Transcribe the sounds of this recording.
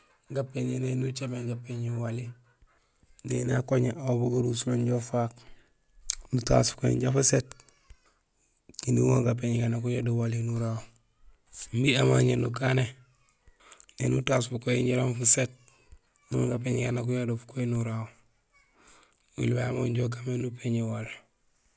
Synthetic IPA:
ɡapːeɲenenut͡ʃabeŋɡapeɲiwali | nenakoɲeʔaobuɡaɾusuloɲɟofak | nuta̰skoḭɲɟafuset | kinuwoŋɡap̬eɲiɡanakuɲadowalinuɾao | mbiamaɲenukane | nenutasfukoiɲɟaɾomfuset̚ | nuoŋɡap̬eɲiɡanak̬uɲadofu̥koinuɾawo | wḭlwajamoɲɟok̬amenupeɲewali

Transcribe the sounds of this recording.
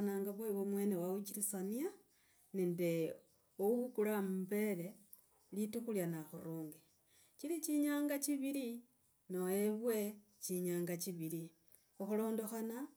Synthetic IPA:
naːŋɡaβweβwomwe̞ːnewawuciɾisania | nende | ouβukulamube̞le̞ | litukuljanaxuɾuːŋɡi | ciliciɲaːŋɡaciβili | noeβwe̞ | ciɲaːŋɡaciβili | oxulo̞ːndo̞xana

